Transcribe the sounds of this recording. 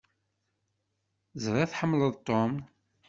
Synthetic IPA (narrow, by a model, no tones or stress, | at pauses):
zɾˤæθħəmːləðˤt̪ˤːom